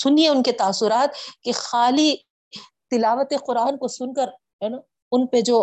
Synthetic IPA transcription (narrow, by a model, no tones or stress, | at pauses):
sʊnieʊnket̪aːsːʊɾaːt̪kexaːli | t̪ɪlaːʋət̪eqʊɾaːnkosʊnkəɾ | ɦɛːn | ʊnped͡ʒoː